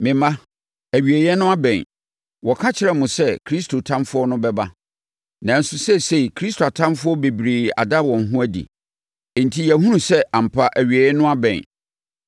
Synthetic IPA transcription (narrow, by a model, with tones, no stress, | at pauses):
mɪ̃˨mã˦ | æ˨ɥi˨æ˨jɛ˦nʊ̃˦a˦bɛ̃˨n | wɔ˨kʰa˦t͡ɕʰɪ˨ɾɛ˦mʊ̃˨sɛ˦kʰɾi˦stʰo˨tʰã˦mfʊ˦ɔ˦nʊ̃˦bɛ˦ba˦ | nã˨n̩˦sʊ˦sɛ˦se˦i˨kʰɾi˦stʰo˨a˨tʰã˦mfʊ˦ɔ˦be˨bɾeː˨a̰˨da˦wɔ̃˨n˨ɦũ˦æ˦dḭ˨ | n̩˨tʰi˦jɛ˨ɦũ˦ɾũ˨sɛ˦ã˨m̩˨pʰa˨ʔæ˨ɥi˨e˨jɛ˦nʊ̃˦a˦bɛ̰̃˨n